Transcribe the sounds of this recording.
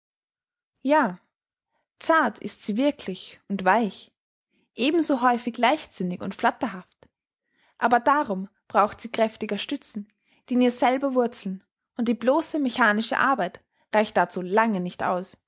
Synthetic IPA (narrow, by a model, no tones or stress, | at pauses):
jaː | t͡saɐtʰɪ̰stz̥iːvɪɐkʰlɪçʊntv̥aɪç | ʔeːbm̩zoːɦɔʏfɪçlaɪçz̥ɪnɪçʊ̰ntfl̥atɐɦaft | ʔaːbɐdaʁʊm | b̥ʁaʊxtz̥iːkʁ̥ɛftɪɡɐʃtʏt͡sn̩ | d̥iːniːɐz̥ɛlbɐvʊɐt͡sl̩n | ʔʊnt̚d̥iːbloːsəmɛçaːnɪʃə̰ʔa̰ɐbaɪt | ʁaɪçt̚d̥at͡suːlaŋənɪçtʔa̰ʊs